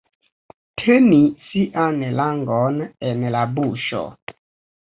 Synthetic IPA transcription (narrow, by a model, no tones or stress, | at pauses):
tʰenisiʔanɛlaŋɡɔnɛnɛlabuːʃɔ̰